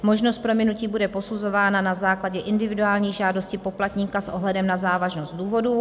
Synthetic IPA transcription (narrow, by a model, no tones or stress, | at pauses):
mo̞ʒnost̪̚pɾo̞mɪnuciːbudɛpo̞suzo̞vaːnanazaːklaɟɛʔɪndɪvɪduaːlɲiːʒaːdo̞scɪpo̞plat̪ɲiːkasʔo̞ɦlɛdɛmnazaːvaʒno̞st̪̚duːvo̞du